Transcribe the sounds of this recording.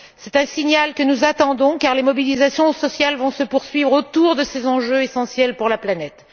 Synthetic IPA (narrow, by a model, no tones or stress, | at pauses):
sɛt̪ɛ̃siɲalkənuzat̪ɑ̃d̪ɔ̃kaʁlemɔbilizasjɔ̃sɔsjalvɔ̃səpuʁsɥivʁot̪uʁd̪əsezɑ̃ʒøesɑ̃sjɛlpuʁlaplanɛt̪